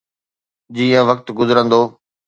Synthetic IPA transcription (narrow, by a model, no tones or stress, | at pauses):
d͡ʑiːə̃ʋɐk̚t̪ɡʊzəɾə̃nd̪oː